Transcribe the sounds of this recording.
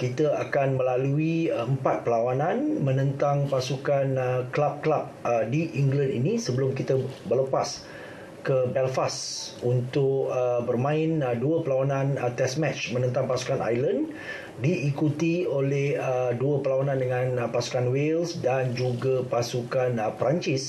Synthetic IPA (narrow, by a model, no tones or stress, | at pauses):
kit̪əakanməlaluiəmpat̪̚pəlawanãnmə̃nə̃nt̪aŋpasukanklap̚klap̚ədiʔiŋɡlənḭnisəbəlʊmkit̪əbərləpas | kəbɛlfasunt̪ʊkəbərmãɪnduəpəlawanãnt̪ɛsmɛt͡ʃmə̃nə̃nt̪aŋpasu̥kana̰jlən | diːkut̪iolɛhəduəpəlawanãndəŋãnpasu̥kanwelsdand͡ʒuɡapasukanpəɾaɲt͡ʃɪs